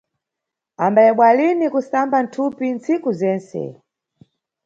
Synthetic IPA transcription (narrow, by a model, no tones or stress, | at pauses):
ambajɛɓwalinikusamban̩tʰupint͡sikuzɛːnsɛ̰